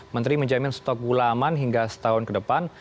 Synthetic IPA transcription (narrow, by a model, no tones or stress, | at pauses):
mənt̪ɾiməɲd͡ʒamɪnst̪ɔk̚bulamanɦiŋɡasə̥t̪aɦʊnkədəpan